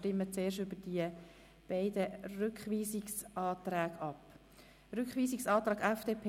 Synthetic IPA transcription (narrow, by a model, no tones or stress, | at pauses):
tɪmːət͡seːɾʃtʏbəd̥iə | b̥æɪd̪ərʉkχʋiːsɪksʔɑːt̪ɾæːɡɑp | ɾʏkχʋiːsɪksɑːt̪ɾɑːɡæfd̥eːpʰ